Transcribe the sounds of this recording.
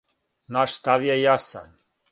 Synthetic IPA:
naʃst̪avjɛjasa̰n

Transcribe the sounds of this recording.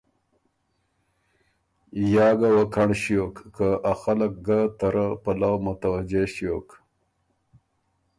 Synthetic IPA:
jɑːɡawakʰaɳɕijokːəʔaxalək̚ɡat̪aɾəpalawmʊt̪awad͡ʒeʃijok

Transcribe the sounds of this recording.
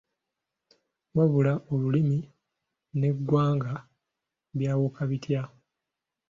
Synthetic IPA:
waβulaʔoβulimi | ne̞ɡwaːŋɡa | βjaːwokaβitʰja

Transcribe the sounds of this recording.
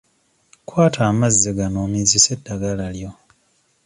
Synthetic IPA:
kwaːtʰaːmazːeɡanoːmizise̞dːaɡalaljo̞

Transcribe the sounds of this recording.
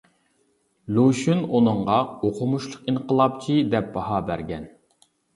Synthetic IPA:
luʃynunɨɴʁɑoqʰʊmuʃlˠəqiɴqʰəlˠɑp̚t͡ʃʰid̪ɛp̚bɑɦɑbæ̰ɾɡʲɛn

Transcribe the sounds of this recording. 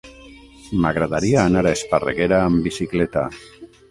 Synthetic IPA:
maɣɾaðaɾiaːnaɾaesparḛɣeɾaːmbisiklet̪a̰

